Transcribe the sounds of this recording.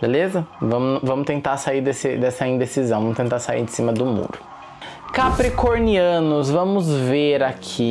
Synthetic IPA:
belezɐvɐ̃mʊvɐ̃mʊst̪ẽnt̪aɾsaiɾd̪esɪd̪ɛsɐĩd̪esizɐ̃w̃vɐ̃mʊst̪ẽnt̪aɾsaḭɾd͡ʒɪsĩmɐd̪ʊmṵɾʊ | kapɾikoɾniɐ̃nʊzvɐ̃mʊzveɾakʰi

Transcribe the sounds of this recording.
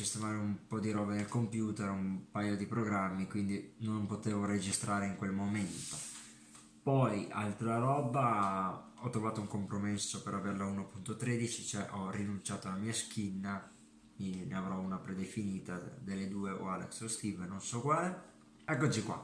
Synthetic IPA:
sist̪emaːɾeumpɔd̪iɾɔbenelkompjuːt̪eɾumpajod̪ipɾoɡɾamːikwind̪inompot̪eːvoɾed͡ʒist̪ɾaːɾeiŋkwelmoment̪o | pɔja̰lt̪ɾaɾɔba | ɔt̪ːɾovaːt̪ouŋkompɾomesːopeɾaverlauːnopunt̪ot̪ɾed̪it͡ʃit͡ʃoɛʔɔrinunt͡ʃaːt̪olamiːask̟inːa | ineavɾɔunapɾed̪efiniːt̪ad̪elːed̪uːeo̰alɛ̰ksost̪ivnonsɔkwaːle | ɛkːod͡ʒikwa̰

